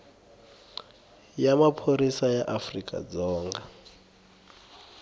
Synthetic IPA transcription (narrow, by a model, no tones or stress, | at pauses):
jamapʰoɾisajaʔafrikʼa̰d͡zɔːŋɡa